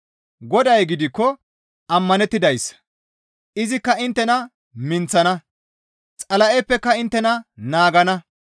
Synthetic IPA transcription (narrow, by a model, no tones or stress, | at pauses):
ɡɔd̪ɐjɡɪd̪ɪkːɔ | ɐmːɐnɛt̪ːɪd̪ɐjs | ʔɪzɪkːɐɪnt̪ːɛnɐ | mɪnt͡sːɐnɐ | t͡sʼɐlɐʔɛpːɛkːɐɪnt̪ːɛnɐnaːɡɐnɐ